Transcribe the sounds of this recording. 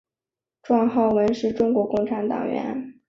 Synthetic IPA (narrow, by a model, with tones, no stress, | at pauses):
ʈ͡ʂwɑ˥˧ŋxɑ˥˩ʊwə˧˥nʂɻ̩˥˩ʈ͡ʂʊ˥ŋkwɔ˧˥kʊ˥˩ŋʈ͡ʂʰa˧˥nt̪ɑ̰˨˩ŋɥɛ̰˧˥n